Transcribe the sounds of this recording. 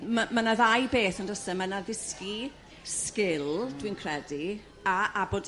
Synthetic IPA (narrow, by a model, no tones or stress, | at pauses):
mamanaðajbeːθəndəsəmanaðɪski | skɪlˠdwinkʰrɛdi | aaboːd